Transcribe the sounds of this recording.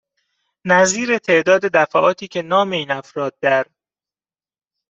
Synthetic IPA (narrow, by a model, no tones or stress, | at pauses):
næziːɾe̞t̪ʰe̞ʔd̪ɒːd̪e̞d̪æfæʔɒːt̪ʰiːcʰe̞nɒːme̞iːnæfɾɒːd̪̚ːæɾ